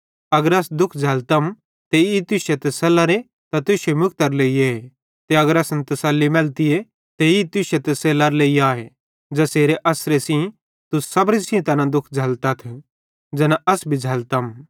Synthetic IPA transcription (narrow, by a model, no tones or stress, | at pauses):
ɐɡəɾɐsd̪ʊkʰd͡zʱɐlt̪ɐm | t̪eit̪ʊʃet̪ɐsɐlaɾe | t̪ɐt̪ʊʃemʊkʰt̪ɐɾleːiee | t̪eɐɡəɾɐsnt̪ɐsɐlːimɛlt̪ɪje | t̪eit̪ʊʃet̪ɐselɐɾleːijaːɦe | d͡ʒɐseːɾeʔɐsɾesĩ | t̪usɐbɾəsɪ̃t̪ɐnãd̪ʊkʰd͡ʒʱɐlt̪ɐt̪ʰ | d͡ʒɐnaʔɐsbʱid͡ʒʱɐlt̪ɐm